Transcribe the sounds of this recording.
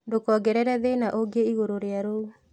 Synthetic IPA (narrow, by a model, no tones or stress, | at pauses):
ndokɔɡɛɾɛɾɛðenaʔoɡeiɣoɾoɾeaɾou